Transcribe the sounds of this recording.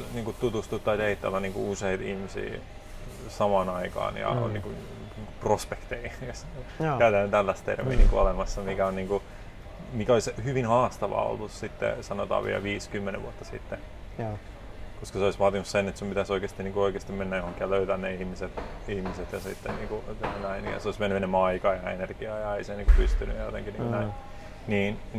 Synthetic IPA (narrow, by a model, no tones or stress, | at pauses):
niːŋkutt̪ut̪ust̪ut̪ːɑit̪eit̪ːɑ̰lːæniːŋkṵuseit̪ihmisḭː | sɑmɑːnɑikɑ̰ːnjɑ̰nḭːŋku | niːŋkuprospekt̪eios | kæyt̪ænːet̪ælːæst̪t̪ḛrmḭːnḭŋkuolemɑsːɑmikæonniːŋku | mikæolishyʋinhɑːst̪ɑʋɑ̰o̰lːussit̪ːḛsɑno̰t̪ɑ̰ːʋḭæ̰lʋiːskymːenḛʋʋuot̪ːɑsḭt̪ːe | koskɑseoisʋɑːt̪inussenet̪sumpit̪æsoikeːst̪iniːŋkuoikeːst̪imenːæjohoŋkːiɑløyt̪ænːeihmiset̪ihmiset̪jɑsḭt̪ːenniːŋkunæinjɑ̰soismenːyenːymːɑikɑjɑenerɡ̥iɑjɑeiseniːŋkupyst̪ynyjɑjo̰t̪ḛŋkinḭːŋnæin | niːn